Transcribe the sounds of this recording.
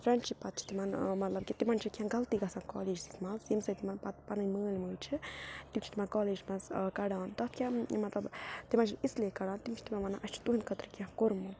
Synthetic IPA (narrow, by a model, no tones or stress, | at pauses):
fɾɐnt͡ʃʰipat̪̚t͡ʃʰi̥t̪imanmɐt̪lɐb̚kit̪imant͡ʃʰikʲãnɡalt̪iɡasankɔ̰ːleːd͡ʒsi̥t̪masjimsɐjt̪imanpat̪panɨnʲməːlʲməːlʲt͡ʃʰit̪imt͡ʃʰi̥t̪imankɔːleːd͡ʒsmaskaɽaːnt̪ɔt̪ʰkʲamɐt̪lɐbt̪imant͡ʃʰiisleːkaɽaːnt̪imt͡ʃʰi̥t̪imamanaʔɐst͡ʃʰi̥t̪uɦinkət̪ɾkʲãhkoɾmu